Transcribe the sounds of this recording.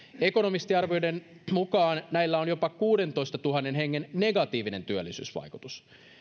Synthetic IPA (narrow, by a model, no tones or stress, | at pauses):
e̞ko̞no̞mist̪iɑrʋojdenmukɑːnnæilːæonjo̞pɑkuːde̞nt̪o̞ist̪ɑt̪uɦɑnːenɦe̞ŋːenne̞ɡɑt̪iːʋine̞nt̪yølːˑisy̰ːsʋɑ̰jkut̪us